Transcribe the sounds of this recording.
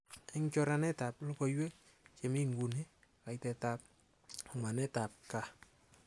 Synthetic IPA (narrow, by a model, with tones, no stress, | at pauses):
e˦ŋt͡ʃɔ˦ɾa˦nɛ˦ta˨plo˦ko˨jwe˦ | t͡ʃe˨mi˦ŋɡu˨ne˦ | ka˨jtɛ˨ta˨p̚ | ŋwa˨nɛ˦ta˨p̚ka˨